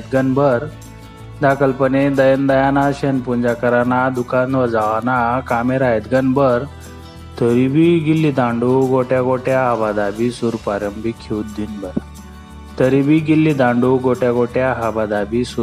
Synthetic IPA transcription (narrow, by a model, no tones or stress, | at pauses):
t̪ɡənbəɾ | d̪akəlpəned̪əjənd̪əjanaɕenpuɲd͡ʑakəɾanad̪ukanʋəd͡zaʋanakameɾajed̪ɡənbəɾ | t̪ʰəɾibʱiːɡilːid̪ãɳɖuɡoʈjaɡoʈjaɦabad̪abisuɾpaɾəmbikʰːeut̪̚d̪inbəɾ | t̪əɾibiːɡilːid̪ãɳɖuɡoʈjaɡoʈjaɦabad̪abisu